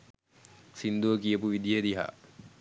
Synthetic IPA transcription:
sind̪uʋəkijəpuʋid̪ijəd̪iɦa̰ː

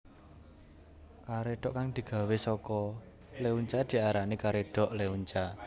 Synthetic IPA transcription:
kaɾeɖ̥ɔʔkaŋd̪̥i̤ɡ̥a̤wesɔkɔ | leuɲt͡ʃad̪̥i̤aɾanikaɾeɖ̥ɔ̤ʔleuɲt͡ʃa

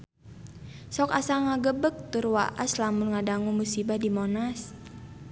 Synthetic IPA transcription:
sɔkasaŋaɡəbək̚t̪urwa̰ʔaslamulŋadaŋumusibahdimɔnas

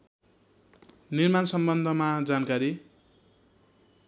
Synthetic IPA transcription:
nirmansʌmbʌnd̪ʱʌmad͡zankaɾi

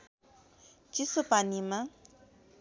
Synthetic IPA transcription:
t͡ʃisəpanima

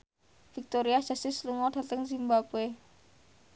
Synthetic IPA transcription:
fik̚t̪oɾiad̥ʒ̥a̤sɪsluŋɔd̥a̤t̪əŋzimbabe

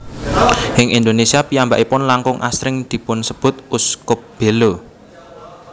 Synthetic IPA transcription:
hɪŋʔind̪onesiapiambaʔipʊnlaŋkʊŋʔa̰sɾɪŋd̪̥i̤pʊnsəb̥ʊ̤t̪̚uskʊp̚b̥e̤lo

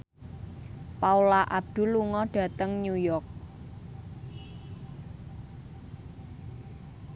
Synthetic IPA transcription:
paulaʔab̚d̪̥ṳlːuŋɔɖ̥ä̤t̪əŋnujɔk̚

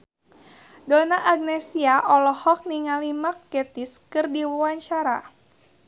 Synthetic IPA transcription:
donaʔaɡ̚nɛsiaʔɔlɔhɔk̚niŋalimakːɛt̪iskɨrdiwɔwaɲt͡ʃaɾa̰

